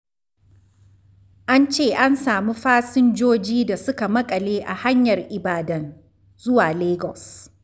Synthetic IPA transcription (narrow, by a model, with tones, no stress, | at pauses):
ʔa˦nt͡ʃeː˦˨ʔa˦nsaː˨miː˦ɸaː˦sɪ˦nd͡ʒoː˦d͡ʒiː˦da˨sʊ˦ka˨mɐ˦kʼɐ˨leː˦ʔa˨ha˦ɲjɐ˨rʔɪ˨baː˨dɐ˦n | zʊ˦waː˨leː˦ɡɔ˨s